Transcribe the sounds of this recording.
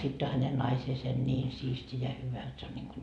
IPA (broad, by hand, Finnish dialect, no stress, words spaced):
sitː o hæne nɑiseːse nʲiːn siːsti jɑ hyʋæ et se on niŋɡ̊u